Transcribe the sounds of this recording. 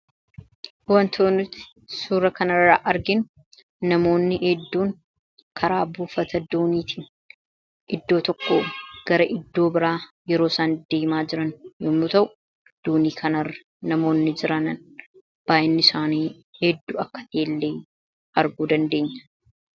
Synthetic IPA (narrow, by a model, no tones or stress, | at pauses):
wɐnt̪ʰoːnʊt̪ːɪ̥ | suːɾɐkɐnɐrːɐʔɐɾɡɪn | nɐmo̞ːnːɪʔɛd̪ːuːŋ | kʰɐɾaːbuːfɐt̪ɐd̪uːniːt̪ʰiːn | ʔɪd̪ːo̞ːt̪ɔkːo̰ːɡ̥ɐɾɐʔɪd̪ːo̞ːbɪɾaːjɛɾo̞ːsaːnd̪eːmaːd͡ʒɪɾɐnjoːmʊt̪ɐʔʊ | d̪̥oːniːkʰɐnɐrːɐ | nɐmo̞ːnːɪd͡ʒɪɾɐnɐn | b̥aːʔɪnːɪsaːniː | hɛd̪ːuːɐkːɐ̥t̪eːlːeː | ɐɾɡuːd̪ɐnd̪e̞ːɲːɐ̥